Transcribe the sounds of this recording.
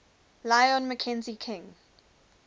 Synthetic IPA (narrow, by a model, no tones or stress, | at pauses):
laɪɔ̃nməkʰɛ̃nzikʰɪ̃ŋ